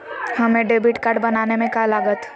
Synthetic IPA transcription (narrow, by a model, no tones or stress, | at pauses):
hɐmẽɖeːbiʈkaːɾɖbɐnaːnemẽkalaːɡət̪ʰ